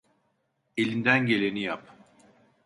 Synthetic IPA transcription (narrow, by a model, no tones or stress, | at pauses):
e̞lʲind̪ænɟe̞lʲe̞nijap